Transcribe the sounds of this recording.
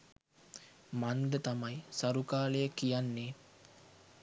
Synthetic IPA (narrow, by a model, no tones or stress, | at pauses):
mand̪ət̪amajsaɾukaːləjəkijanːe